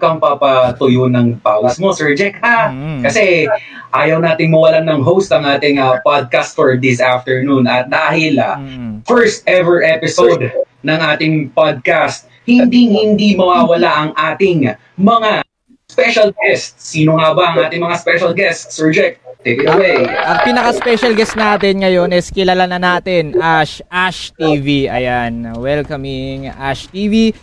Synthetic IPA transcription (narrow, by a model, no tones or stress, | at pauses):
kɐŋpapɐt̪ʊjonɐŋpaːwɐsmo̞sɛɹd͡ʒɛk̚hakɐsɛ | ʔaːjɐwnaːt̪ɪŋmɐwɐlanɐŋɦowst̪ɐŋaːt̪ɪŋɐpad̪̚kast̪̚fɔɹd̪ɪsaft̪ɛɹnunɐt̪̚d̪aːhɪlɐfɛɹst̪̚ʔɛvɛɹʔɛpɪsowd̪ | nɐŋʔaːt̪ɪŋpad̪̚kast̪̚ | hɪnd̪iŋhɪnd̪imɐwawɐlaʔɐŋʔaːt̪ɪŋ | mɐŋa | spɛʃɐlɡɛst̪sːiːnoŋabɐʔɐŋʔaːt̪ɪŋmɐŋaspɛʃɐlɡɛst̪sɔɹd͡ʒɛk̚t̪t̪ːejkɪt̪ɐwejʔɐŋpiːnɐkɐspɛʃɐlɡɛst̪̚naːt̪ɛnŋɐjo̞nɛskɪlalanɐnaːt̪ɪnʔaʃʔaʃt̪iːviʔɐ̰janwɛlkɐmɪŋʔa̰ʃt̪iːvi